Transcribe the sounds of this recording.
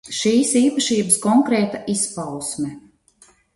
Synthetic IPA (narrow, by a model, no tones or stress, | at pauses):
ʃiːsiːpaʃiːbəskɔŋkɾɛːt̪aʔispawsmɛ